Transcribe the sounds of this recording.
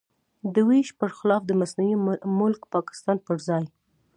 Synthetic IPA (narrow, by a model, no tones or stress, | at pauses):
d̪əwiʃpəɾxɪlɑfd̪əmasnawimʊlkpɑkɪ̥st̪ɑnpəɾzɑj